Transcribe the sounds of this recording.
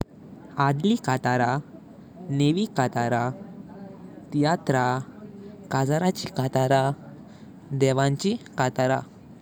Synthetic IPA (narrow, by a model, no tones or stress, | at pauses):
ad̪likat̪aɾa | neʋikat̪aɾa | t̪ijat̪ɾa | kad͡zaɾat͡ɕikat̪aɾa | d̪ɛʋãɲt͡ɕikat̪aɾa